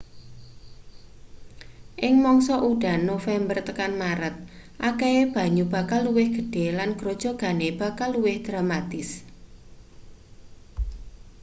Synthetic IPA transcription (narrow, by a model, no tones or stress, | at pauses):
ʔɪŋmɔŋsɔʔuɖ̥a̤nːofɛmbərt̪əkanmaɾət̪̚ | ʔakeeb̥a̤ɲub̥a̤kalːuwɪhɡ̥ə̤ɖ̥e̤lanɡ̥ɾod̥ʒ̥ɔ̤ɡ̥a̤neb̥a̤kalːuwɪhd̪̥ɾamat̪ɪs